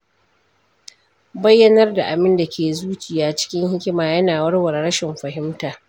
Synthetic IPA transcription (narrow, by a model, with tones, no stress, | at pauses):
bɐ˦jːɐ˦nɐ˦rda˨ʔa˨bɪ˦nda˨kʲeː˨zuː˦t͡ʃɪ˨jaː˨t͡ʃɪ̥˦kʲɪ˦ŋhɪ˦kʲɪ˦maː˨jɐ˦naː˨wɐ˦rwɐ˨rɽɐ˦ʃɪ˨mɸɐ˨ɦɪ˦mtaː˨